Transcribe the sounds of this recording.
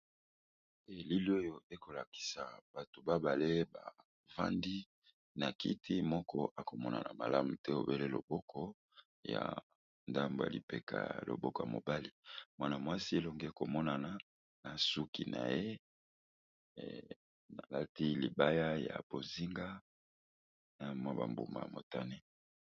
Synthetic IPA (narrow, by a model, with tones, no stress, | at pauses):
e˨li˦li˦o˦jo˨e˦ko˨la˨ki̥˨sa˨b̥a˨to˨ba˦ba˨le˦ba̰˨ | va̰˦ndi˦ | na˨kḭ˦tʰi˦mɔ˦kʰɔ˦ʔa˨ko˨mɔ˦na̰˨na˨ma˨la˦mu˨tɛ˦o̰˨be˦le˦lo̰˨bɔ˦kʰɔ˦ | ja̰˨ | nda˦mbo˨ja̰˨li˨pḛ˨ka̰˨jlo̰˨bɔ˦kɔ˨ja˨mo̰˨ba˦li˦mwa˦na˨mwa˦si˦e˦lɔ˨ŋɡe˦˨ko˨mɔ˦na˨na˨ | na˨su˦ki˨na̰˨je˦ | na˨la˦ti˦li˨ba˦ja˦ja̰˨b̥o˨zi˦ŋɡa˦ | na˨mwa˦ba̰˨mbu˨ma̰˨mo̰˨ta˦ne˦